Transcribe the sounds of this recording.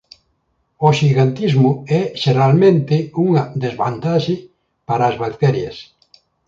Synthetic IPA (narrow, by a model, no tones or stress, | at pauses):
oʃiɣant̪izmʊɛʃeɾalmẽnt̪ɪuŋɐd̪ezβa̰nt̪aʃɪ | paɾɐːzβak̚t̪ɛɾjɐs